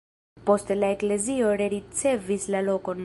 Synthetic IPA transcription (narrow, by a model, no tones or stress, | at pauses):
po̞stelaekle̞zioɾeɾit͡se̞vislalo̞ko̞n